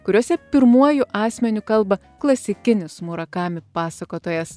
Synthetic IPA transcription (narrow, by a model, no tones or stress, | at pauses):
kʊɾʲuɔsʲɛpʲɪɾmuɔjʊʔɑːsʲmʲɛnʲʊkɐlˠbɐ | klˠɐsʲɪkʲɪnʲɪsmʊɾɐkɑːmʲɪpɑːsɐkoːt̪oːjɛs